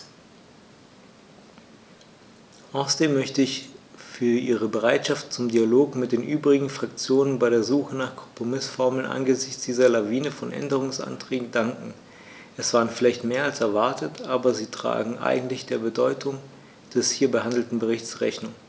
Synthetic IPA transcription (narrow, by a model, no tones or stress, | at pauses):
ʔaʊsɐdeːmːœçtəɪçfyːɐʔiːʁ̞əbəʁaɪtʃaftt͡sʊmdialoːkmɪt̚d̥eːnʔyːbʁɪɡŋ̩fʁ̥akt͡sjoːnənbaɪɾeːɐzuːxənaːχkʰɔ̥mpʁ̥omɪsfɔɐml̩nʔa̰nɡəzɪçt͡sd̥iːzɐlaviːnəfɔnʔɛ̰ndəʁ̞ʊŋsʔa̰ntʁ̥ɛːɡŋ̩daŋkŋ̩ | ʔɛsv̥aːʁənfɪlaɪçtmeːɐalsɛɐvaɐtətʔaːbɐziːtʁ̥a̰ːɡŋ̩ʔa̰ɪɡŋ̩tlɪçd̥eːɐbədɔʏtʰʊŋ | d̥ɛshiːɐbəhandl̩tn̩bəʁɪçt͡sʁɛ̰çnʊŋ